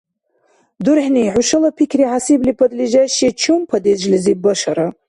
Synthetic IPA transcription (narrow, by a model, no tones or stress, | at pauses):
d̪uɾħniʕuʃɐlɐpʰikʲʰriʕasiblipʰɐd̪liʒaʃɛt͡ʃʰumpʰɐd̪ed͡ʒlɨzibɐʃɐɾa